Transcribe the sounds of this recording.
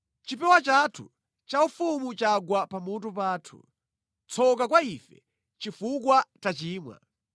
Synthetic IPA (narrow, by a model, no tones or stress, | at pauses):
t͡ʃipɛwat͡ʃatʰṵ | t͡ʃaufumut͡ʃaɡwapamut̬upaːtʰṵ | t͡sʰɔkakwaifɛ̰ | t͡ʃifukwat͡ʃat͡ʃiːmwa̰